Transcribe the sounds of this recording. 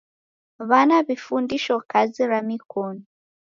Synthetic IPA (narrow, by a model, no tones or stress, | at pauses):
βanaβifuːndiʃokaziɾamikoni